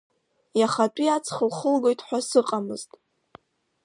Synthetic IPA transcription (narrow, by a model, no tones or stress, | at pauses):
jaχat͡pʷʼiat͡sʰχəlχəlɡo̞jtʰʼħʷasɨqʼamɨ̰ztʼ